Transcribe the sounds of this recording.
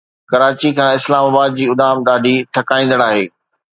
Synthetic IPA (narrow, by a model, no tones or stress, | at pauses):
kɐɾaːt͡ɕikʰãːɪslaːmaːbaːd̪̚d͡ʑiːʊd̪aːmɗaːɖʱiʈʰɐkaːĩːnd̪əɽaːɦeː